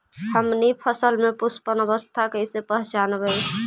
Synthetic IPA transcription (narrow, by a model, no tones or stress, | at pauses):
həmnipʰəsəlmepuspənəβəst̪ʰakəɪsepəɦt͡ʃanbəj